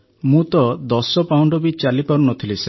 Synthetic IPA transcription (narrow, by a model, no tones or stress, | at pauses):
mũt̪ɔd̪ɔsɔpawɳɖɔbit͡ʃalipɔɾunɔt̪ʰilisa